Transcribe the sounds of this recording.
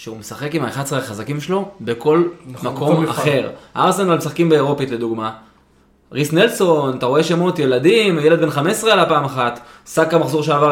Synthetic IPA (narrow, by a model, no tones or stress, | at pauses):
ʃeumesaχe̞kimaeχadsʁeaχazakimʃelo̞be̞ko̞lmakʰoma̰χe̞ʁaʁsenalmesaχkimbeːʁo̞pitle̞d̪uɡma | ʁisnelso̞nat̪aʁo̞e̞ʃemo̞tje̞ladimajele̞d̪be̞nχamesʁealapaːmaχat̪ | sakamaχzoʁʃeava